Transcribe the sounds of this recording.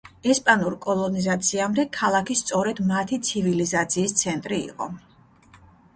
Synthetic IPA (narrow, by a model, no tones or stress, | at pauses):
ɛspʼanuɾkʼɔlˠɔnizat̪sʰiamd̪ɛkʰalˠakʰist̪sʼɔɾɛd̪mat̪ʰit̪sʰivilizat̪sʰiːst̪sʰɛnt̪ʼɾiḭqʼɔ̰